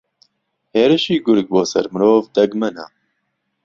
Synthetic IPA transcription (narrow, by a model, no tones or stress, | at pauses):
heːɾɨʃiːɡʊɾɡ̚boːsɐ̰ɾmɨɾoːvd̪ɐɡmɛna̰